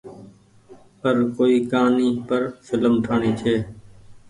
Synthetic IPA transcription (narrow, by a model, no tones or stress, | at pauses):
pəɾkoːiːkaːniːpəɾsɪləmʈʰaːɳiːt͡ʃʰeː